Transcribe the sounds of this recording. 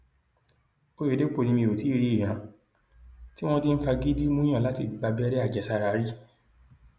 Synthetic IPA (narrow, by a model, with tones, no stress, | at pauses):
o˦jo˨de˦k͡po˦˨nĩ˧mĩ˧o˨ti˨˦ɾi˦i˦˨ɾ̃ã˨˧˦ | ti˦w̃ɔ̃˦ti˦n̩˦fa˧ɡi˦di˦mũ˦ã˦˨la˨˦ti˧˨˦ɡ͡ba˧bi˦ɛ˦ɾɛ˦a˦˨d͡ʒɛ˨sa˧ɾa˧˨˦ɾi˦